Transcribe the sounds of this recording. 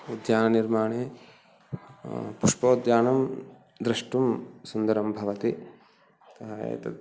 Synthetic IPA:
ud̪jaːnɐniɾmaːɳeː | puʂpoːd̪jaːnɐm | d̪ɾɐʂʈumsund̪ɐɾɐmbʱɐʋɐt̪i | t̪ɐɦajḛːt̪ɐ

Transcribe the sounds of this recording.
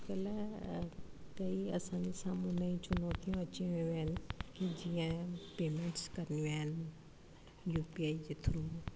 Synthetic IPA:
kɐl | kɐiɐsãd͡ʑesaːmũnaĩt͡ʃʊnɔːt̪ijũɐt͡ɕĩĩɦɪnɪ̆kid͡ʑiːə̃peːmẽɳʈskɐɾnijũaːɦɪnɪ | juːpiaːid͡ʑet̪ʰʊɾũ

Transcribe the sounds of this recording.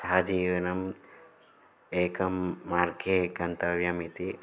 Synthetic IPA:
saːd͡ʒiːʋɐnɐm | eːkɐmːaːɾɡeɡɐnt̪ɐʋjɐmit̪i

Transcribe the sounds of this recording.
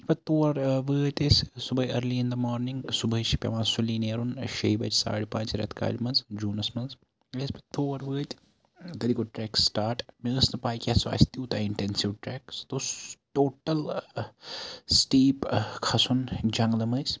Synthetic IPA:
ipɐt̪ːoːɾʋəːt̪ʲessʊbɐiɐɾliɪnd̪ɐmɔːɾnĩŋɡsʊbɐjʃi̥pʲɐ̰mãːsulːineːɾunʃɐjbɐt͡ʃsa̰ːɽpãːt͡ʃɾɐ̰t̪ʰka̰ːlmɐnsd͡ʒuːnɐsmɐns | esbɐt̪ʰoːɐɾʋəːt̪ʲ | t̪ɐlikoʈɾɛːksʈaːɾʈmeəsnɐpaːjkʲasʋa̰ːst̪iut̪aɪɳʈɛnsiʋʈɾɛkst̪oːsʈoːʈɐl | sʈiːpkʰɐsund͡ʒɐŋɡlɐmɐjs

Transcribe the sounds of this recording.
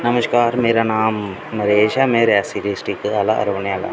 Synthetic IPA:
nɐmɐskaːɾmeːɾɐnaːm | mɐɾeːʃameːɾjasiɾisʈikːɨɐlɐʔɐ̰ɾɐʋɐnejalɐ̰

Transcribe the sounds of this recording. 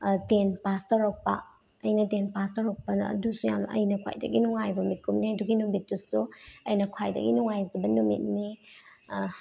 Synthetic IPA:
tenpastɐɾowk̚pɐ̰ | ɐjnɐtenpastɐɾowk̚pɐnɐ̰ɐ̰dusujamnɐ̰ʔɐ̰jnɐkʰwa̰jdɐ̰ɡinuŋajbɐmikʰumniɐduɡinumbit̚dusuɐjnɐkʰwajdɐ̰ɡinuŋajzɐbɐnumḭt̚ni

